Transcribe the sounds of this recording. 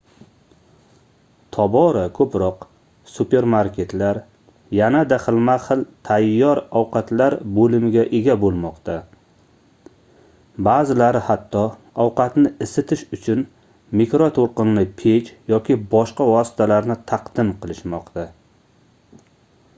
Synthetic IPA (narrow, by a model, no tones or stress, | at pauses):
t̪ʰɒbɒɾakʰɵpɾɒq | supe̞ɾmaɾkʲe̞t̪laɾ | janad̪aχɨlˠmaχɨlˠt̪ʰajːɒɾɒwqʰɑt̪laɾbolɪmɪɡʲaʔeɡʲabolˠmɒqt̪ʰa | baːzɪlaɾɪhat̪ʰːɒɒwqɑt̪nɪɪsɪt̪ʰɪʃʊt͡ʃʰʊn | mikɾot̪ʰoɾqɨnlɪpʰet͡ʃjɒkʲʰɪbɒʃqavɒsɪ̥t̪ʰalaɾnɪt̪ʰaqd̪̥ɪmqʰɨlˠɪʃmɒqt̪a